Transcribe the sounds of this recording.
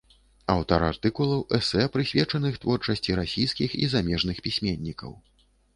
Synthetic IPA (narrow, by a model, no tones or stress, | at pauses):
awt̪ɐɾart̪ɨkulˠɐwʔɛsɛpɾɨsʲvʲɛt͡ʂɐnɨxt̪vɔrt͡ʂɐsʲt͡sʲiɾasʲijskʲixḭzamʲɛʐnɨxpʲisʲmʲɛnʲːikɐ̰w